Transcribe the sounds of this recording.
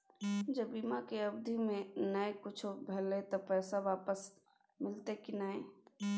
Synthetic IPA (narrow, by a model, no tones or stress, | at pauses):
d͡ʒəbːiːmakeəbd̪ʱimẽnəekʊt͡ʃʰbʱeːlet̪opɛːsaʋaːpəs | mɪlt̪ekinaːe